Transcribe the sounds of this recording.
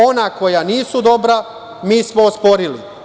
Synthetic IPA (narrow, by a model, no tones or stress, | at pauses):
o̞nako̞janiːsud̪o̞bɾa | miːsmoospo̞ɾilḭ